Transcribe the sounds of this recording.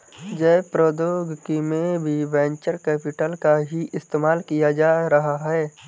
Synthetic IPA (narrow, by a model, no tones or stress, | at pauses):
d͡ʒɛːpɾod̪oːɡkimẽbʱiʋɛ̃ːɲt͡ʃəɾkɛːpɪʈəlkaɦiʔɪst̪eːmaːlkijad͡ʒaːɾɐɦaɦɛː